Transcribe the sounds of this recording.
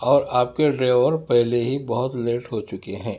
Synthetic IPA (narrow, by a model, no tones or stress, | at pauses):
ɔːɾaːp̚keɖɾeːʋəɾpɛɦleɦibɐɦʊt̪leːʈɦot͡ʃʊkeɦɛ̃ː